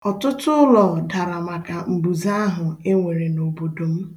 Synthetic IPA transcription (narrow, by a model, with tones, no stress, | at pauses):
ɔ˨tʊ˦tʊ˦ʊ˦lɔ˨da˨ɾa˨ma˨ka˨m̩˨bu˨za˦a˦ɦʊ˨e˦ŋʷe˨ɾe˨no˨bo˨do˨m̩˦